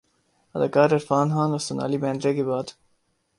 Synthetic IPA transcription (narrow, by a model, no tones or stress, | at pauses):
ɐd̪ɐkaːɾɐɾfɑːnɦɑ̃ːnɐst̪una̰ːlibɛ̃ːnd̪ɾeɡebɑːd̪